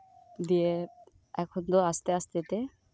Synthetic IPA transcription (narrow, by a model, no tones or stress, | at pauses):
d̪iɛ | ɛkʰɔnt̪ɔast̪ɛast̪ɛt̪ɛ